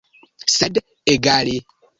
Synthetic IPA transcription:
sɛd | eɡale

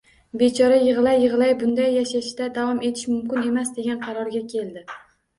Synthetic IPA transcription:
bet͡ʃʰɒɾajɨʁlˠajːɨʁɨlˠajbʊnd̪ajːaʃaʃd̪ad̪awɒme̞t̪ʰɪ̥ʃmʊmkʲɪne̞masd̪e̞ɡʲanqʰɑɾɒɾɡʲakʲʰe̞lˠd̪ɪ

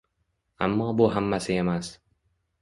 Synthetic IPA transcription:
a̰mːɒːbʊɦamːasɪe̞mas

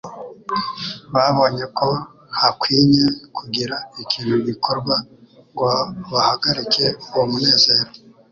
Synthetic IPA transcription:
βaβo̞ːɲe̞kʰo̞ | hakwiːɲekʰuɡiɾaikʰiːn̥huɡikʰo̞ɾɡwaŋɡaβahaɡaɾike̞uwomune̞ːze̞ːɾo

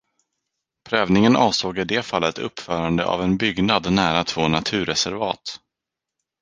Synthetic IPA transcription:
pʰɾøːvnɪŋənʔɑːvsoːɡɪd̪eːfalːət̪ɵ̰pːfœːɾand̪ə̰ʔa̰vɛnbʏɡnad̪næːɾat̪ʰv̥oːnat̪ʰʉ̟ːɾɛsæɾvɑ̰ːt̪

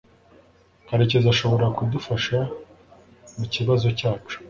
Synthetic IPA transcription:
haɾecezaʃo̞βo̞ɾakudufaʃa | muciβazo̞caːt͡ʃu̥

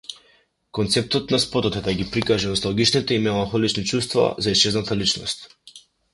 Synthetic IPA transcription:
kɔnt̪sɛp̚t̪ɔt̪naspɔt̪ɔt̪ɛd̪aɡipɾikaʒɛnɔst̪alˠɡit͡ʃnit̪ɛimɛlˠanxɔlit͡ʃnit͡ʃust̪va̰zaist͡ʃɛznat̪alit͡ʃnɔst̪

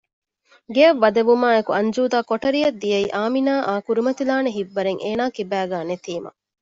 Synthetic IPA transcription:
ɡeɐʋːɐd̪ɐʋumaːekuɐɲd͡ʒuːd̪aːkoʈɐɾijɐd̪ːijɐiʔaːminaːʔaːkuɾimɐt̪ilaːneɦiʋːɐɾeŋʔeːnaːkibæːɡæːnet̪iːmɐ̰

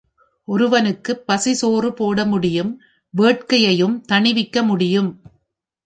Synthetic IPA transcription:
ʔɔɾɯʋɐnɯkːɯpːɐsɪsoːrɯpoːɽɐmʊɽɪjɯm | ʋeːʈ̚kɐjɐjɯmt̪ɐɳɪʋɪkːɐmʊɽɪjɯm

